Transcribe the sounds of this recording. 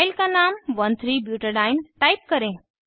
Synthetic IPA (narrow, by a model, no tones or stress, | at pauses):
ɪlkanaːmʋɐnt̪ʰɾiːbjuːʈəɾɖaːɪnʈaːɪp̚kɐɾẽː